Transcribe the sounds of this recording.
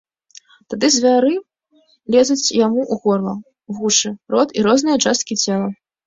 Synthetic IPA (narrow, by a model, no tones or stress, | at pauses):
t̪ad̪ɨzʲvʲaɾɨ | lʲɛzʲut͡sʲjamuʔuɣɔrlˠɐ | ɣuʂɨɾɔt̪iɾɔznɨjɐt͡ʂast̪̚kʲit͡sʲɛlˠɐ